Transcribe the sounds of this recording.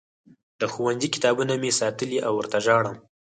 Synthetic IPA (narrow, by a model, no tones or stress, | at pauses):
d̪̥əxuwanzikɪ̥t̪ɑbunamesɑt̪əliʔawːəɾt̪aʒɑɽəm